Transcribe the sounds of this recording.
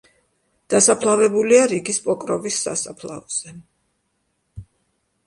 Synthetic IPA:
d̪̥asapʰlˠavɛbuliaɾiɡispʼɔkʼɾɔvisːa̰sapʰlˠa̰ɔz̥ɛ

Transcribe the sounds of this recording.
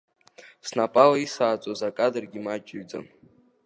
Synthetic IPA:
snapʼalaisaːt͡sʷʼazakʼadɨrɡʲimat͡ʃʼɪɥd͡za̰m

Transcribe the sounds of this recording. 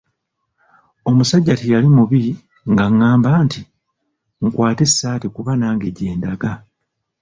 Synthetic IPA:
o̞musaɟːatejalimuβi | ŋɡaŋːaːmbaːnti | ŋkwaːte̞sːaːtekuβanaːŋɡe̞ɟe̞ːndaɡa

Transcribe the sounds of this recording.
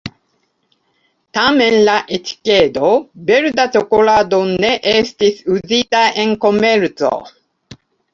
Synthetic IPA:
t̪amenlaʔet̪i̥ked̪obeɾd̪at͡ʃokolaːd̪oneʔest̪isʉziːt̪aʔeŋkomɛɾt͡so̰

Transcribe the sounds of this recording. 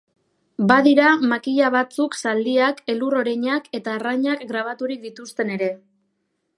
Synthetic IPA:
baðiɾamakiʎaβat͡suksald̪iake̞luro̞ɾaɲake̞t̪aːraɲakɡɾaβ̞at̪uɾik̚d̪it̪ust̪e̞ne̞ɾe̞

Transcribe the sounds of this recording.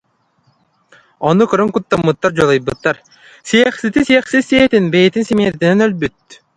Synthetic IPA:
ɔnukɯɾɯŋkut̪ːamːɯt̪ːaɾd͡ʑɔlˠɯjbɯt̪ːaɾ | sijɛχsit̪isiɛχsisːiɛt̪inbɛjit̪insimeːɾt̪inɛnœlbyt̪̚

